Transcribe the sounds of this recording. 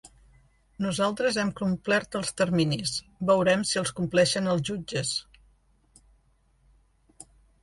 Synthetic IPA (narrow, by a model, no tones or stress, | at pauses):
nuzalˠt̪ɾəzɛmkumplɛɾt̪əlˠst̪ərminis | bəwɾɛmsiəlˠskumplɛʃənəlˠzʒud͡ʒəs